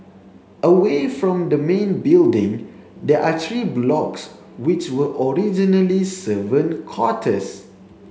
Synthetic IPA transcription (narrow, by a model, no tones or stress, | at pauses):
ʔəwefɹɔ̃md̪əmẽnbildɪ̃ŋ | dɛʔat̪ɹiblɔks | wɪt͡ʃwəʔɔɹid͡ʒinəlisəvə̃nkʰɔtʰəs